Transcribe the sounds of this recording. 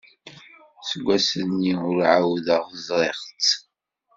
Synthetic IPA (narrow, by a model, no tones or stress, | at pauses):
səɡʷːæsənːiʊɾʕawðəʁzˤɾˤeχt͡s